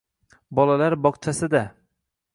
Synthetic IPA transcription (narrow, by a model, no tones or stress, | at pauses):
bɒlˠalaɾbɒqt͡ʃʰasɪd̪a